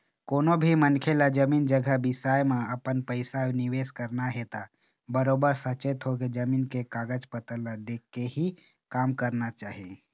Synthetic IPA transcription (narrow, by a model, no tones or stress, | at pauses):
koːnobʱimənkʰelad͡ʒəmiːnd͡ʒəɡʱəbɪsaːjmẽɐpənpəɪsanɪweːskəɾnaɦet̪a | bəɾoːbəɾsət͡ʃet̪ɦoked͡ʒəmiːnkekaːɡəd͡ʒpət̪əlad̪eːkːeɦi | kaːmkəɾnat͡ʃaːɦie